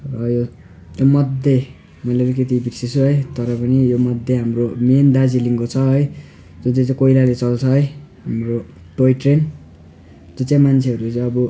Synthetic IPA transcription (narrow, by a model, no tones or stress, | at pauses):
rʌjo | jomʌd̪ʱe | mʌileɾek̬et̪̬ibisesʰuɦʌjt̪ʌɾʌpʌnijomʌd̪ʱːjeɦamromend̪ad͡ziliŋkot͡sʰʌɦʌj | d͡zut͡sãj̃t͡saĩkoilalet͡sʌlt͡sʰʌɦʌjɦamro | ʈojʈren | d͡zot͡sãj̃mant͡sʰeʌɾut͡saj̃ʌbʌ